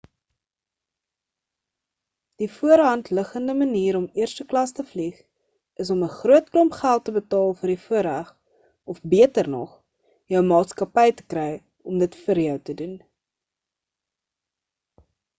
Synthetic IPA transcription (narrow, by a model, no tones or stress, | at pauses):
d̥ifuəɾɦɐntləχəndəməniːɾɔmiərstəklɐstəfliχ | ʔəs̬ɔməχruətklɔmpχælˠtəbətɑːlˠfərdifuəɾæχ | ɔfbiətərnɔ̰χ | jœwmɑːtskɐpɛjtə̥krɛj | ɔmdətfəɾjœwtədun